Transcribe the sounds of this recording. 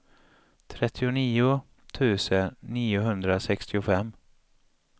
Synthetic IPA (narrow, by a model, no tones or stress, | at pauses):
t̪ʰɾɛt̪ʰːɪʊniːʊ | t̪ʰʉ̟ːsənːiːʊɦɵnd̪ɾasɛkst̪ɪʊfɛmː